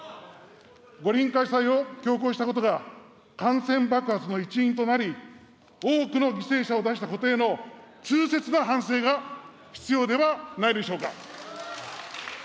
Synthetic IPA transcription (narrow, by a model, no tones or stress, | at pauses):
ɡo̞ɾʲĩŋkaisaio̞kʲo̞ːk̬o̞ːɕi̥t̪ako̞t̪o̞ɡa | kãɰ̃sẽ̞mbakɯ̟hat͡sɨno̞it͡ɕiĩnt̪o̞naɾʲi | o̞ːkɯ̟no̞ɡʲise̞ːɕao̞d̪aɕi̥t̪ako̞t̪e̞ːno̞t͡ɕɨːse̞t͡sɨnaɦãɰ̃se̞ːɡa | çi̥t͡sɨjo̞ːd̪e̞βanaid̪e̞ɕo̞ːka̰